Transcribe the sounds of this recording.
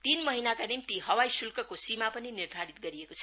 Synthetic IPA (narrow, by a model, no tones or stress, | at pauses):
t̪inmʌɦinakanimt̪iɦʌwajsulkʌkosimapʌninird̪ʱaɾit̪̚ɡʌɾiekot͡sʰʌ